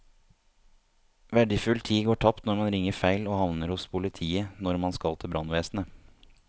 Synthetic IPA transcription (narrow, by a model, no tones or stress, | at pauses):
ʋæɖəfʉlt̪ʰiːɡoːʈʰɑpt̪nɔɾmɑnɾɪŋːəɾfæɪloːhɑʋnəɾhʊspʰʊlɪt̪ʰiːənɔɾmɑnskɑlt̪ʰɪlbɾɑnʋeːsnə